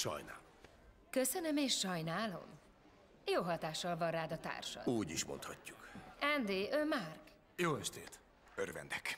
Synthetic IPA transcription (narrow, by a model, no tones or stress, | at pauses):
ʃɒ̰jnaːl | køsønømeːʃːɒjnaːlo̞̰m | joːɦɒt̪aːʃːɒlvɒraːd̪ɒt̪a̰ːrʃɒ̰uːɟiʃmont̪hɒcːu̥kɛnd̪eːʔømark | joːɛʃt̪ḛːt̪ | ørvɛ̰nd̪ɛk